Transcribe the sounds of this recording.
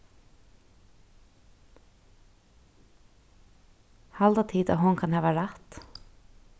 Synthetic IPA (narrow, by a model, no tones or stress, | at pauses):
hɑld̪ɑːt̪ʰiːd̪ɑ̰ːhʊnkʰɑnhɑːʋəɾæt̪